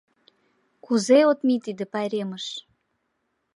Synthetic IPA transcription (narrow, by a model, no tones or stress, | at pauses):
kuzeot̪mit̪id̪ĕpɑjɾeməʃ